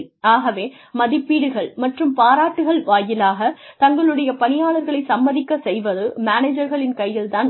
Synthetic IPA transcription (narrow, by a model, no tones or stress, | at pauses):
aːɣɐʋeː | mɐðɪpːiːɽɯɣɐɭmɐʈrɯmpaːɾaːʈːɯɣɐɭʋaːjɪlaːɣɐt̪ɐŋɡɐɭɯɽɐjɐpɐnɪjaːɭɐɾɣɐɭɐɪsɐmːɐðɪkːɐsɛjʋɐðɯmaːneːd͡ʒɐɾɣɐɭɪnkɐjːɪlt̪aːn